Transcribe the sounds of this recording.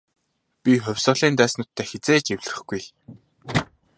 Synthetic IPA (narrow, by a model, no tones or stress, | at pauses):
pʲiχʊ̟wʲsʊːɮiːnt̪æːsnʊːt̪ʰːæːxet͡seːt͡ɕewʲɮ̆rɘ̆χɡuj